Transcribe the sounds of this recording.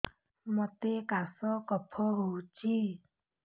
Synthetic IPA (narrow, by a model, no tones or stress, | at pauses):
mɔt̪ekasɔkɔpʰɔɦowt͡ʃi